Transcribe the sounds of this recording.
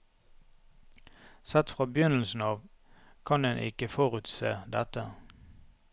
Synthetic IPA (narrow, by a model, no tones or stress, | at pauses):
sɛt̪fʁɑːbjʏnl̩sn̩ɑːʋ | kʰɑnd̪ɛnʔɪ̰kəfɔʁʉt̪sḛːd̪ɛt̪ə